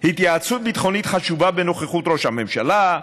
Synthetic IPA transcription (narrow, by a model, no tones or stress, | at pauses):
hit̪ʼjat̪sʰut̪̚bit̪χɔnit̪χaʃubabɛnɔχɛχut̪ʼɾɔʃamɛmʃala